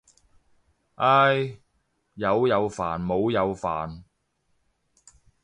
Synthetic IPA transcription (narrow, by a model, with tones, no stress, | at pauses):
ʔaː˧˥j | jɐ˨˧wjɐ˨˧wfa̰ː˨˩nmo˨˧wjɐ˨˧wfa̰ː˨˩n